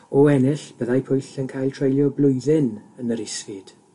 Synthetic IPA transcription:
ɔɛnɪɬb̥əðajpʰʊjɬənkʰajlˠtʰr̥ejljɔblˠʊɨðɪnənəɾɪsvɨd̥

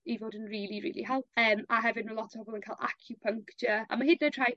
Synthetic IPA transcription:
ivoːdənriːlˠiɾḭːlˠḭɦalˠəːmaɦɛvɪdnulɔtʰɔɔbɔlˠmənkʰalˠʔa̰kʰjupʰəŋktəa̰mahɦɪdnətʰr̥aj

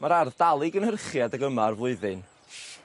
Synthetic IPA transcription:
maɾarðdalˠɪɡənhərχjadəɡəmarvlˠʊɨðɨn

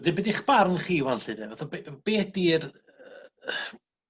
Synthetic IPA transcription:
dɪbɛdiχb̥arnəχiːwɛlɬɨdɛvaθɔbb̥eːdir

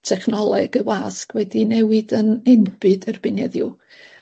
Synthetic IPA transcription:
tʰɛχnɔlˠɛɡ̥əwaːskʰwɛdinɛwɨdənɛnb̥ɨdərbɨnɛðjṵ

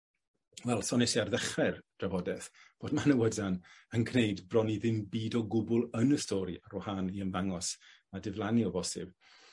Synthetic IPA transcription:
wɛlˠsɔnɛsiarðɛχɛrd̥ravɔdɛθb̥oːdmanəwədanənɡʰnejdbrɔniðɪmbiːdɔɡʊbʊlˠənəstʰɔːɾiʔaɾɔhaniənvaŋɔs | adɪvlˠaniɔbɔsɪ̰b̥

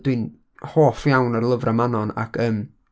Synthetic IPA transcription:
dwɨn | hoːfjawnərlˠəvrʔamanɔna̰kʰəm

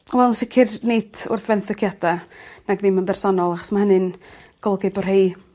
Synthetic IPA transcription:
ɔvɛlˠnsɪkʰɪrnejd̥ʊ̰rθvɛnθəkʰjadanaɡðɪmənbɛrsɔnɔlˠaχɔ̥smahənɨn | ɡ̥ɔlˠɡɪbɔrhej

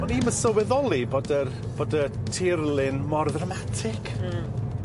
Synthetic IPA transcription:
mɔniməsəwɛðɔlˠiboːdə | b̥oːdətʰɪrlˠɪnmɔrðramatʰɪkʰ

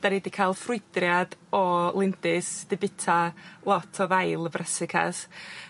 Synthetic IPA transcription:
d̥aɾidikʰalˠfrʊjd̥rjadɔlˠɪndɪsd̥ɪbɪtʰalˠɔtʰɔðajlˠəbrʔɛsɪkʰa̰s

